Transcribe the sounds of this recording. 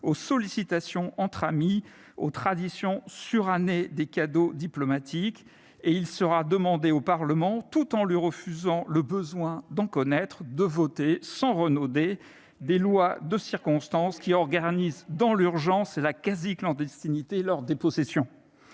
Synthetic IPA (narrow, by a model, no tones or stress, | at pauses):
osɔlisit̪asjɔ̃ʔɑ̃t̪χami | ot̪χad̪isjɔ̃syʁaned̪ekad̪od̪iplɔmat̪ʰik | eilsəʁad̪əmɑ̃d̪eopaʁləmɑ̃t̪ut̪ɑ̃lɥiʁəfyzɑ̃ləbəzwɛ̃d̪ɑ̃kɔnɛt̪χd̪əvɔt̪esɑ̃ʁənod̪e | d̪elwad̪əsiʁkɔ̃st̪ɑ̃skʲiɔʁɡanizd̪ɑ̃lyʁʒɑ̃selakaziklɑ̃d̪ɛst̪init̪elɔʁd̪epɔsɛsjɔ̃